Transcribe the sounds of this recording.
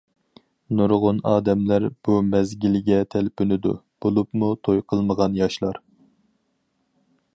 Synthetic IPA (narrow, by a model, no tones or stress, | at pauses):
nuɾʁʊnɑ̰ːd̪ɛmlæɾb̥umɛzɡʲilɡʲɛt̪ʰɛlpʰynɪd̪ṵ | b̥olˠupmut̪ʰojqʰəlˠməʁɑnjɑʃlˠɑɾ